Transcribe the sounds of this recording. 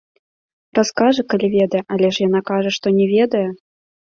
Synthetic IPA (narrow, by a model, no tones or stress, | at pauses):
raskɑʐɨkalʲivʲed̪ɐjɛʔalʲɛʂjanɑkɑʐəʂt̪onʲɛvʲed̪ɐjə